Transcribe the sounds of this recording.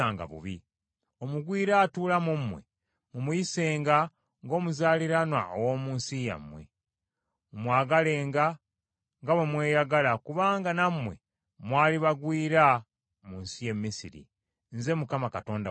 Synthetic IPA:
aːŋɡa̰βṵβi | o̞muɡwiːɾaːtuːlamumːwe̞̰ | mumujise̞ːŋɡa | ŋɡo̞ːmuzaːliɾanwa̰ʔowomuːnsija̰mwe̞̰ | mwaːɡale̞ːŋɡa | ŋɡaβwe̞mwe̞ːjaɡalakuβaːŋɡanamːwe̞̰ | mwaːliβaɡwiːɾa | muːnsije̞mːisiɾḭ | nze̞mukamakato̞ːnda

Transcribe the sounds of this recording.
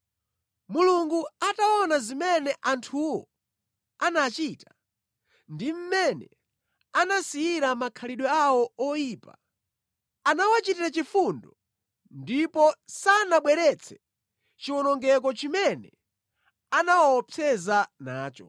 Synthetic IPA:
muluŋɡuataɔnazimɛnɛʔantʰuwɔ̰ | anat͡ʃitḁ | ndim̩mɛnɛ | anasijiɾamakʰaliɗwɛawɔɔjiːpa̰ | anawat͡ʃitiɾat͡ʃifundɔ | ndipɔsanaɓwɛɾɛt͡sʰɛ̥ | t͡ʃiwɔnɔŋɡɛk̬ɔt͡ʃimɛnɛ | anawapʰɛzanaːt͡ʃɔ

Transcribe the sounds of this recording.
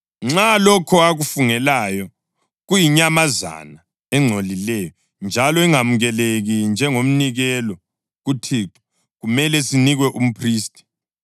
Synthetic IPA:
ŋ͡ǁalɔkʰɔaɣufuŋɛlaːjɔ | ɣujiɲamaza̰na | ɛŋ͡ǀʱolilɛːjɔ | nd͡ʒʱalɔiŋamuɣɛleɣind͡ʒʱɛŋom̩niɣɛlɔ | ɣutʰiːǁɔ̥ | ɣumɛlɛsiniɣwɛʔum̩pʰriːstʼi̥

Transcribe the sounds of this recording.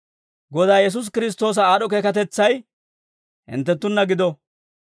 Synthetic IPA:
ɡɔd̪aːjɛs̬us̬kɪɾɪs̬t̪o̞ːs̬ɐaːɗɔk̬eːkɐt̪ɛt͡sːɐj | hɪ̰nt̪ːɛt̪ːʊnːɐɡɪd̪ɔ

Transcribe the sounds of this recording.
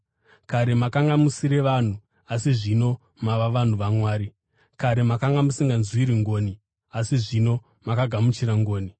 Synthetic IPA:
kaɾe̞makaŋɡamusiɾe̞ʋan̤u | asiʐino̞ | maʋaʋan̤uʋamwaːɾi | kaɾe̞makaŋɡamusiŋɡanzwiɾiŋɡo̞ːni | asiʐino̞ | makaɡʱamut͡ʃiɾaŋɡo̞ːni

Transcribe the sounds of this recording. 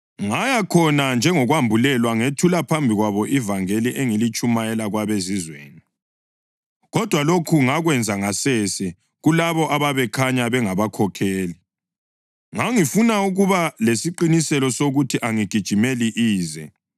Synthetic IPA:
ŋajakʰɔnand͡ʒʱɛŋɔɣwambʱulɛlwaŋetʰulapʰambʱiɣwaβɔʔivaŋeliʔeŋilit͡ʃʼumajɛlaɣwaβezizwḛːni | ɣɔd̥ʱwalokʰuŋaɣwɛnd͡zʱaŋasɛsɛ | ɣulaβɔʔaβaβɛkʰaɲaβɛŋaβakʰɔkʰeːli | ŋaŋifunauɣuβalesiǃinisɛlɔsoɣutʰiʔaŋiɡ̥ʱid̥ʒ̥ʱimeliʔiːzɛ

